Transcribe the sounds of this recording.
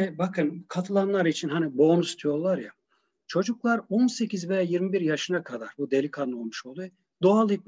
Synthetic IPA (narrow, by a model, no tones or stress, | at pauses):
ɛbakʰɯnkʰat̪ʰɯlˠanlˠaɾit͡ʃʰinɦanibo̞ːnust̪ʰijo̞ɾlˠaɾja | t͡ʃʰo̞d͡ʒuklˠaɾonse̞cʰʲizvɛjajiɾmibiɾjaʃɯnakʰad̪aɾbud̪e̞lʲikʰano̞lˠmuʃo̞lˠd̪uj | d̪oalˠip̚